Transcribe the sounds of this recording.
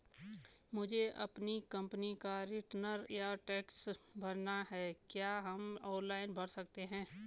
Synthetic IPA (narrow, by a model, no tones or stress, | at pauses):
mʊd͡ʒʱeʔɐ̰pnikɐ̃mpnikaɾɪʈnəɾjaʈɛːksbʱɐɾnaɦɛkjaːɦɐmɔːnlaːɪnbʱɐɽsɐk̚t̪eɦɛ̃ː